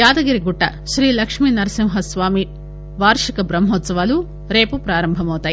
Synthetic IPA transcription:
jaːd̪ɐɡiɾiɡuʈːɐʃɾiːlɐkʂminɐɾɐsimɦɐsʋaːmi | ʋaːɾʂikɐbɾɐmɦoːt̪sɐʋaːlu | ɾe̞ːpupɾaːɾɐmbʱɐmɐwt̪aːji

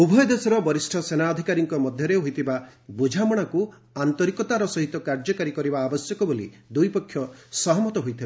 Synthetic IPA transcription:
ubʱɔjɔd̪esɔɾɔbɔɾisʈʰɔsenaɔd̪ʱikaɾiŋkɔmɔd̪ʱjɔɾeɦojt̪ʰibabud͡ʒʱamɔɽ̃aku | ant̪ɔɾikɔt̪aɾɔsɔɦit̪ɔkaɾd͡ʒɔkaɾikɔɾibaːbɔsjɔkɔbolḭd̪ujpɔkʰːjɔsɔɦɔmɔt̪ɔɦojt̪ʰibaa

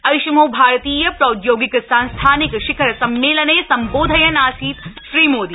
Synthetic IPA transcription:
ɐjʃmoːbʱaːɾt̪iːjɐpɾɐd̪joːɡɪksanst̪ʰaːnɪkʃɪkʰəɾsɐmːeːləneːsɐ̃mboːd̪ʱɐjɐnaːsiːt̪ʃɾiːmoːd̪iː

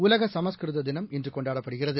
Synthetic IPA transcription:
ʊlɐɣɐsɐmɐskɾɯðɐd̪ɪnɐmɪndrɯkɔɳɖaːɽɐpːɐɽɯɣɪrɐðɯ

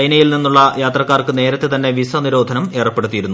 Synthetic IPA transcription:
ɐjnɐjilninːuɭːɐjaːt̪rɐkːaːrkɨne̞ːɾɐt̪ːe̞t̪ɐnːe̞ʋisɐniɾo̞ːd̪ʱɐnɐme̞ːrɐpːe̞ɽut̪ːijiɾunːu

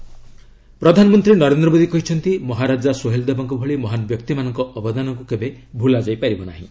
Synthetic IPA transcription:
pɾɔd̪ʱanɔmɔnt̪ɾinɔɾend̪ɾɔmod̪ikɔɦit͡ʃʰɔnt̪imɔɦaɾad͡ʒasoɦeld̪ebɔŋk̬ubʱɔɭimɔɦanɔbjɔkt̪imanɔŋkɔʔɔbɔd̪anɔŋk̬ukebebʱulad͡ʒajpaɾibɔna̰ɦḭ̃

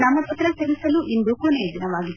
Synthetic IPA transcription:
naːmɐpɐt̪ɾɐsɐɾisɐluʔind̪ukoneːd̪inɐʋaːɡit̪ː

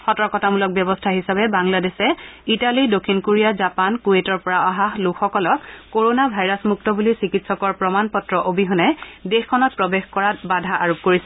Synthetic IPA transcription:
xɔtɔkɔtamulɔk̚bjɔbɔstʰaɦisabɛbaŋladesɛitalidokʰːinkoɹijazapankuetɔɹpɔɹaaɦaxlukʰxɔkɔlɔkːoɹonabʱajɹasmuktɔbulisikitsɔkɔɹpɹɔmanpɔtɹɔʔobiɦʊnɛdexkʰːɔnɔt̚pɹɔbexkɔɹatbadʱaʔaɹop̚koɹisɛ

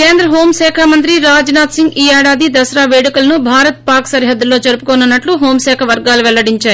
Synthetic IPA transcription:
ke̞ːnd̪ɾɐɦo̞ːmsɛːkʰaːmɐnt̪ɾiɾaːd͡ʒnaːt̪siŋɡiːɛːɽaːd̪id̪ɐsɐɾaːʋeːɽikulɐnubʱaːɾɐt̪̚paːɾksɐɾiɦɐd̪ːulo̞ːd͡ʒɐɾupukoːnɐnːɐʈluɦoːmsɛːkʰɐʋɐɾɡaːluʋɛlːɐɽiɲt͡ʃaːji

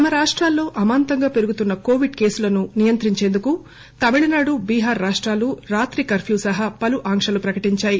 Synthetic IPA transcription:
t̪ɐmɐɾaːʂʈɾaːlːo̞ːʔɐmaːnt̪ɐŋɡaːpe̞ɾuɡut̪unːɐko̞ːʋiɖke̞ːsulɐnunijɐnt̪ɾiɲt͡ʃe̞ːnd̪uku | t̪ɐmiɭinaːɽubiːɦaːɾːaːʂʈɾaːluɾaːt̪ɾikɐɾpʰjuːsɐɦɐpɐluʔaːŋkʂɐlupɾɐkɐʈiɲt͡ʃaːji

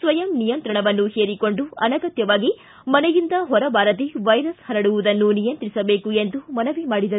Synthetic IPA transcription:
sʋɐjɐmnijɐnt̪ɾɐɳɐʋɐnːuheːɾiko̞ɳɖuɐ̰nɐɡɐt̪jɐʋaːɡi | mɐnɛjind̪ɐɦɔɾɐbaːɾɐt̪iʋɐjɾɐshɐɾɐɽuʋud̪ɐnːunijɐnt̪ɾisɐbeːkuend̪umɐnɐʋimaːɽid̪ɐ

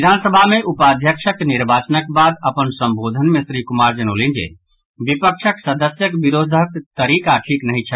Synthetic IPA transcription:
id̪ʱansəbʱameʔupad̪ʱjəkʃʰəkniɾbat͡ʃənəkbad̪əpənsə̃mbod̪ʱənmesɾikumaɾd͡ʒəñolind͡ʒḛ | bipəkʃʰəksəd̪əsjəkbiɾod̪ʱəkt̪əɾikaʈʰiknəɦit͡ʃʰə

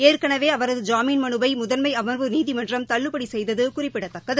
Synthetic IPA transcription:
eːrkɐɳɐʋeːɐʋɐɾɐðɯd͡ʒaːmiːnmɐɳɯbɐɪmʊðɐnmɐɪɐmɐɾʋɯniːðimɐndrɐmt̪ɐɭːɯpːɐɽisɛjðɐðɯkʊrɪpːɪɽɐt̪ːɐkːɐðɯ

